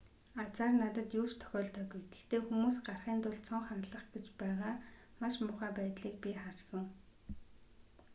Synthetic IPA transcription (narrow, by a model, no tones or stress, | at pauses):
at͡saːrnat̪ə̆t̪ju̥ːt͡ɕt̪ʰœ̥xʲɔːɮt̪ʰœːɡujt̪e̥xt̪eːxumuːsɢarχiːnt̪ʊɮt͡sʰɔɴχanɮə̆χɡet͡ɕpæːʁaː | maʃmʊχæːpæːt̪ɮiːk̚pʲiχarsə̆ŋ